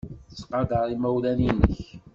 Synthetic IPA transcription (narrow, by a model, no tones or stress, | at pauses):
t͡sːqɑd̪ɑɾˤimæwlæninəç